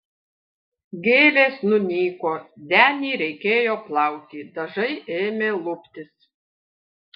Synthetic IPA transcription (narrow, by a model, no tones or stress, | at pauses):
ɡʲeːlʲeːsnʊnʲiːkoːd̪ʲæːnʲiːɾʲɛɪkʲeːjoːplˠɐˑʊk̪ʲiːd̪ɐʒɐɪʔeːmʲeːlˠʊpʲt̪ʲɪs